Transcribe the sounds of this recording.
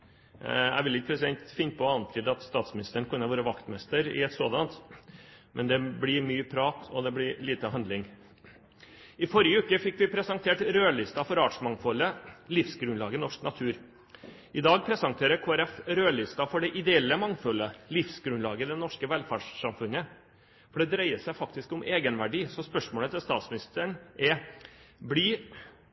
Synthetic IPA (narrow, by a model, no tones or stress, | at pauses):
æ̰ɪʋɪlɪkəpʰɾɛs̬ɪd̪ɛnt̪fɪnpʰɔɑnt̪ʰiːd̪ɑt̪st̪ɑːt̪smɪnɪst̪əɳkʰʉnːəʋɑːɾəʋɑkt̪mɛst̪əɾɪ̰ɛt̪so̰ːd̪ɑnt̪ | mʔɛnd̪ɛblɪɾmyːpʰɾɑːt̪ʰɔ̰d̪ɛblɪɾliːt̪əhɑnd̪lɪŋ | ɪfɔɾɪəʉːkəfɪkːʋɪpʰɾɛsɑŋt̪ʰeːʈɾøːlɪst̪ɑfɔɾɑːʈʂmɑŋfɔlːəlɪfsɡɾʉnlɑːɡənɔʂknɑt̪ʰʉːɾ | ʔɪd̪ɑːɡ̚pʰɾɛsɑŋt̪ʰeːɾəkʰoːæɾɛfɾøːlɪst̪ɑfɔɖɛʔɪd̪ɛɛlːəmɑŋfɔlːəlɪfsɡɾʉnlɑːɡəd̪ɛnɔʂkəʋɛlfæɖʂːɑmfʉnːə | fɔɖɛd̪ɾæɪəsæɪfɑkt̪ɪskʊmʔeːɡənʋæɖiːsɔspœʂmoːlət̪ʰɪlst̪ɑːt̪smɪnɪst̪əɳʔɛ | bliː